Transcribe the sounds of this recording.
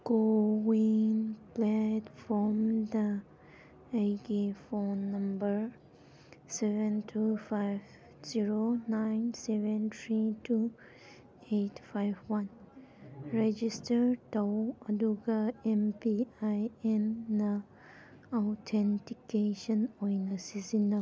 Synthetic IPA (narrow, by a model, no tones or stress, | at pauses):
ɡ̥owĩnplɛtfɔmd̪ə | eɡefɔnːʌ̃mbəɹ | sɛvə̃ntʰufaɪv | z̥iɹonãɪnsɛvə̃nt̪ʰɹitʰu | etfajvwãn | ɹɛd͡ʒistəɾtawaduɡaɛ̃mpiajɛ̃ndə | aʊtʰɛ̃ntikeʃə̃nɔnəsizina